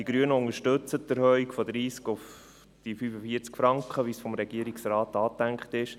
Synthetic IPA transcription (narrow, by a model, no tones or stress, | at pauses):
d̥iɡ̥ɾyːənəʊŋəɾʃtɵt͡sətːəɾhœɥikfɔd̪ɾiːskʊf | d̥ifyːfəfiəɾt͡skfɾɑŋkχəʋisfɔmɾɛɡ̥iəɾiksɾɑːtɑːtæŋkχtɪʃ